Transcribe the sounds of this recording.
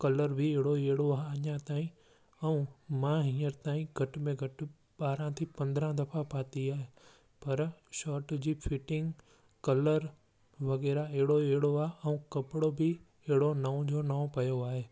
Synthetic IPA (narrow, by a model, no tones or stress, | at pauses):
kɐləɾbʱɪeɦɽoeɦɪɽoaːɦɐɲãt̪aːĩ | ɛũmãɦĩːəɾt̪aːĩɡʱɐʈ̆mẽɡʱɐʈɪ̆ | ɓaːɾãt̪ʰipɐ̃nd̪ɾãd̪ɐfʰapaːt̪iaːɦe | pɐɾʃɔːɾʈd͡ʑiːfʰɪʈɪ̃ŋɡ | kɐləɾ | ʋɐɣɛːɾaɛɦɪɽoeːɦɪɽoaːɦeɛ̃ũkɐpɪɽobɪ | ɛɦɪɽonaũd͡ʑonaːõpɐjoaːɦeː